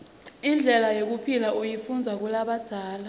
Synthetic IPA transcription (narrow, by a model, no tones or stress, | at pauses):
ind͡ɮʱɛlajok̬upʰilaujifund͡zʱak̬ulaɓad̥ʱaːla